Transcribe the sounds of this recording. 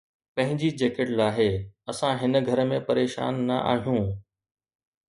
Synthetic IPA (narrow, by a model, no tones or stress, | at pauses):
pɐ̃ɦɪ̃ɲd͡ʑid͡ʑeːkeʈlaːɦeɐsãɦɪnə̆ɡʱɐɾəmẽpɐɾeːʃa̰ːnːɐʔa̰ːɦijũː